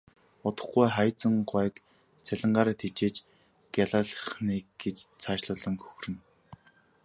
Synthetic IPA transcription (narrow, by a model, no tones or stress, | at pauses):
ʊt̪ə̥̆χɡujχajt͡sə̆ŋɢwæːk | t͡sʰæɮʲɪ̆ɴɢaːɾaːt̪ʰet͡ɕeːt͡ɕ | ɡ̥ʲjaɮaɮəχniːɡet͡ɕt͡sʰaːʃɮʊːɮə̆ŋkʰɵ̥xrɘ̆n